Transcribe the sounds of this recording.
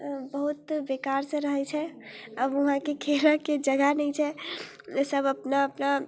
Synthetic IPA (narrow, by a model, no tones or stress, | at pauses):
bəɦut̪bekaɾsə̃ɾəɦɛt͡ʃʰɛ | abuɦãkekʰeɾaked͡ʒəɡanɛt͡ʃʰɛ | səbəpnaəpna